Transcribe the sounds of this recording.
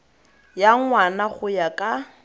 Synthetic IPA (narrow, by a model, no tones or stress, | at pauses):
jaŋwanaχʊjakʼa